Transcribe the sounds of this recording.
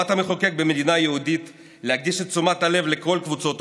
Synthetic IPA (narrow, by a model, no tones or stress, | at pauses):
at̪ameχoke̞k̚bemed̪inajeud̪it̪ | lehaɡ̚d̪iʃet̪t͡sumat̪hale̞vle̞ko̞lkvut͡so̞t̪